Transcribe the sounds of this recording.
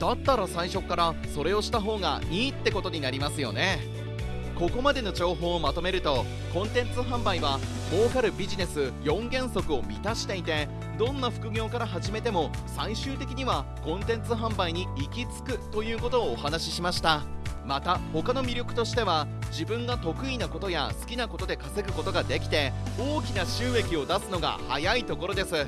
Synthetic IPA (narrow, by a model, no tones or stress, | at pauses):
d̪at̪ːaɾasaiɕo̞kːaɾaso̞ɾe̞o̞ɕi̥t̪aɦo̞ːɡa̰ɲ̟iːt̪ːe̞ko̞t̪o̞ɲ̟inaɾʲimasɨjo̞̰ne̞ | ko̞ko̞mad̪e̞no̞d͡ʑo̞ːɦo̞ːmat̪o̞me̞ɾɯ̟t̪o̞ | kõ̞nt̪ẽ̞nt͡sɨɦãmbaiβa | mo̞ːkaɾɯ̟bʲiʑine̞sɨjõ̞ŋɡẽ̞ɰ̃so̞kɯ̟o̞mʲḭt̪aɕi̥t̪e̞it̪e̞ | d̪õ̞nːaɸɯ̟̥kɯ̟ɡʲo̞ːkaɾaɦaʑime̞t̪e̞mo̞ | saiɕɨːt̪e̞kʲiɲ̟iβa | kõ̞nt̪ẽ̞nt͡sɨɦãmbaiɲ̟iikʲit͡sɨ̥kɯ̟t̪o̞jɯ̟ːko̞t̪o̞ːhanaɕiɕimaɕi̥t̪amat̪aho̞kano̞mʲiɾʲjokɯ̟̥t̪o̞ɕi̥t̪e̞β̞a | d͡ʑibɯ̟̃ŋɡat̪o̞kɯ̟inako̞t̪o̞ja̰sɨ̥kʲinako̞t̪o̞d̪e̞kase̞ɡɯ̟ko̞t̪o̞ɡad̪e̞kʲi̥t̪e̞o̞ːkʲinaɕɨːe̞kʲio̞d̪asɨno̞ɡa̰ha̰jait̪o̞ko̞ɾo̞d̪e̞sɨ